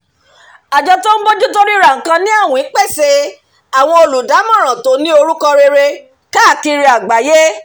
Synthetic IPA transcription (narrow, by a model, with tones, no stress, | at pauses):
a˨d͡ʒɔ˧to˦n̩˦bo˦d͡ʒu˦to˦ɾi˦ɾa˨ŋ̩˨kã˧nĩ˦a˦˨wɔ̃˨ĩ˨˦k͡pɛ˦˨se˧˦ | a˨w̃ɔ̃˧o˧lu˨da˨˦mã˦˨ɾ̃ã˨to˨˦nĩ˦o˧ɾu˦kɔ˧ɾe˧ɾe˧ | ka˦˨ki˧ɾi˧˦a˨ɡ͡ba˨je˦